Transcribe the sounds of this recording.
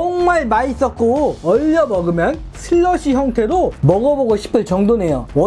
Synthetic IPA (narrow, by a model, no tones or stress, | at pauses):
t͡ɕʌŋmaɭmais͈ʌt̚k͈oʌʎːʌmʌɡɯmjʌn | sʰɯɭːʌɕʰiçjʌŋtʰe̞ɾomʌɡʌboɡoɕʰi̥pʰɯɭt͡ɕʌŋdone̞jowʌ